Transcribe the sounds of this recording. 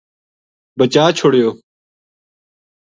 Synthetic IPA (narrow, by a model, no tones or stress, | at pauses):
bət͡ʃaːt͡ʃʰʊɽɪjoː